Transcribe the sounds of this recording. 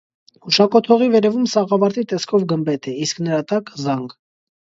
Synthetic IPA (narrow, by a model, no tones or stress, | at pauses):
uʃɑkɔt̪ʰɔʁivɛɾɛvumsɑʁɑvɑɾt̪it̪ɛskʰɔvɡəmbɛt̪ɛisknəɾɑt̪ɑkzɑŋɡ